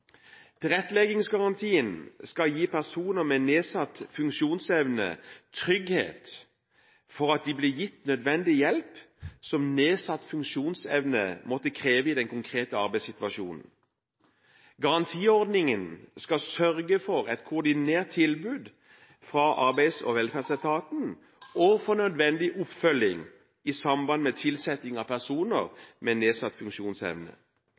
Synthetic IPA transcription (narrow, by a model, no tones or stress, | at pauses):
t̪ʰɪlʁɛt̪ːəlɛɡɪŋsɡɑʁɑnt̪ʰiːənskɑljiːpʰæʁsuːnəmɛneːsɑt̪ːfʉŋkʃuːnsɛʋnə̰t̪ʰʁʏɡhḛːt̪ | fɔʁɑt̪̚d̪ɪblɪːjɪt̪nœd̪ʋɛnd̪ɪjɛlp | sɔmneːsɑt̪ːfʉŋʃuːnsɛʋnə̰mɔt̪ːəkʰʁeːʋəɪd̪ɛnkʰʊŋkʰʁeːt̪əɑʁbæɪsɪt̪ʋɑʃṵːnn̩ | ɡɑʁɑnt̪ʰiːɔʁd̪nɪŋənskɑsœʁɡəfɔʁɛt̪kʰʊːd̪ɪneːʁt̪ʰːɪlbʉːd̪ | fʁɑʔɑʁbæɪsɔ̰ʋɛlfæːʁd̪sɛt̪ʰɑːt̪n̩ | ɔfɔnœd̪ʋɛnd̪ɪʔʊpfœlɪ̰ŋ | ɪsɑmbɑnmɛt̪ʰɪlsɛt̪ɪŋɑpʰæʁsuːnə̰ʁmɛneːsɑt̪ːfʉŋʃuːnsɛ̰ʋnə̰